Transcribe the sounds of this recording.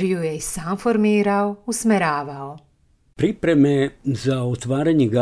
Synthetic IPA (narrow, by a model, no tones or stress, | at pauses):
ɾjujeisaːmfoɾmiːɾaousmeɾaːʋao | pɾipɾemezaot̪ʋaːɾaɲeɡa